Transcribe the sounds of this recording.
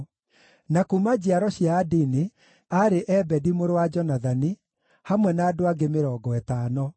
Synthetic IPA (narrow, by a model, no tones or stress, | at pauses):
nakumad͡ʑiaɾɔɕjaːdini | aɾeʔɛbɛdimoɾowad͡ʒɔnaðani | hamwɛnaːdoaɡemeɾɔːɡɔɛtaːnɔ